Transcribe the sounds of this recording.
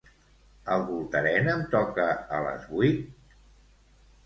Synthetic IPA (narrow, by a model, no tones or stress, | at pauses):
əlˠβulˠt̪əɾɛnəmt̪ɔkəələ̰zβut̪̚